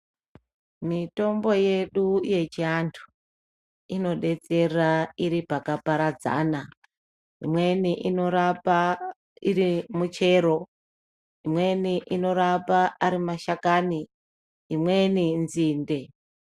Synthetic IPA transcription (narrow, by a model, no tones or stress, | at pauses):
mito̞mbo̞je̞ɗuje̞t͡ʃiantʰu̥ | ino̞ɗe̞t͡se̞raiɾipakapaɾad͡za̰na | ɦḭmwe̞niʔino̞ɾapa | iɾimut͡ʃe̞ːɾo̞ | imwe̞niʔino̞ɾapaːɾimaʃakaːni | imwe̞ninziːnde̞